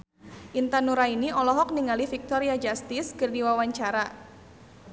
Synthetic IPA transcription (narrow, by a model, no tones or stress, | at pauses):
ʔint̪anuɾainiɔlɔɦɔk̚niŋalifik̚t̪ɔɾiad͡ʒast̪ɪskərdiwawaɲt͡ʃaɾa